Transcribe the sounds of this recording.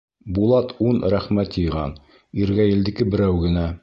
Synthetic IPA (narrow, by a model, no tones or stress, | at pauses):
bulˠɑt̪unɾæχmæt̪jɤ̆jʁɑ̰n | iɾɡæjɘ̆ld̪ɘ̆kɘbɘ̆ɾæwɡɘ̆næ